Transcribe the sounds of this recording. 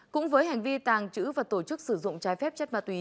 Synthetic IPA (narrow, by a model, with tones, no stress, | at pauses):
kʊ̰˧˥ŋ͡mvəː˨˦jɦa˨˩jŋ̟vi˧t̪aː˨˩ŋt͡ɕɨ̰˧˥vaː˨˩t̪o˧˩t͡ɕɨ˦˥k̚sɨ˧˩zʊ̰˧˨ŋ͡mt͡ɕaː˨˦jfɛ˦˥p̚t͡ɕə˦˥t̚maː˨˩t̪wi˨˦